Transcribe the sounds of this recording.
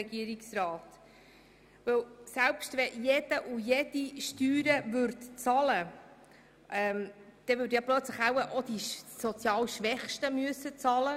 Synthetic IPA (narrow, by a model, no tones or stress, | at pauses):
ɛɡiəɾiksrɑːt | ʋɵwsɛælpʃtʋɛjɛd̥əʔujɛd̥iʃtyːɾəvʏɾtt͡sɑlə | ʔɛmd̪̥ɛvʏːdjɑplœt͡sləχawəʔod̥̪isɔt͡sjɑːlʃʋɛχʃtəmyəsːət͡sɑlə